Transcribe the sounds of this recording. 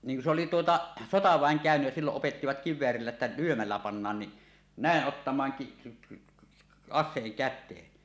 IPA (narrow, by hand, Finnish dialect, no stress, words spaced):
niŋ ku se oli tuotɑ sotɑʋæˑeŋ kæˑønyj jæ silːoʔ ʔopetːiʋɑt kiʋˑeærilːæ tːæ lyømælːæ pɑnːɑːn ni næˑeʔ ʔotːɑmˑɑːŋ ki ki ɑsˑeːŋ kætˑeːn